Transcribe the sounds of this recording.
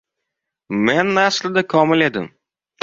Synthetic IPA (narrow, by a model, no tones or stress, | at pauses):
menːaslɪd̪akʰɒmɪle̞d̪ɪ̰m